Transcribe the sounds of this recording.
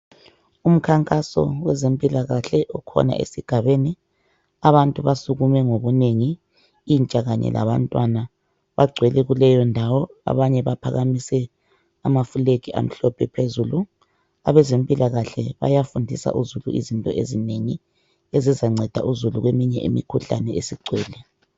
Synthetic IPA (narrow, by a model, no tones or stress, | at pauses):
um̩kʰaŋkʼasɔ̰wɛzempʼilaɣaɬɛʔɔkʰɔ̰na̰ʔḛsiɡ̥ʱaβeni | aβantʼuβasuɣumɛŋoβuneŋi | int͡ʃʼaɣaɲɛ̰lʔa̰βa̰ntʼwana | βaɡ͡ǀʱwɛlɛɣulɛjɔndʱawɔa̰βaɲɛβapʰaɣamisɛ | amafulekiʔa̰m̩ɬɔpʰɛpʰezulu | a̰βɛzempʼilaɣaɬɛβa̰jafundʱisa̰ʔuzuluʔḭzintʼɔʔḛzineŋi | ezizaŋ͡ǀʱɛd̥ʱa̰ʔuzuluɣwemiɲɛ̰ḭmḭkʰuɬanɛesiɡ͡ǀʱwɛːlɛ